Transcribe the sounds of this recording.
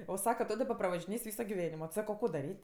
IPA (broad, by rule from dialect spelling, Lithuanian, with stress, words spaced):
oː ˈsɑːkɐ ˈtoː dɐˈbɐ prɐʋɐʒʲɪˈnʲeːsʲ ˈʋʲiːsoː ɡʲɪˈʋʲæːnʲɪmoː ˈsɑːkoː ˈkoː dɐˈrʲiːtʲ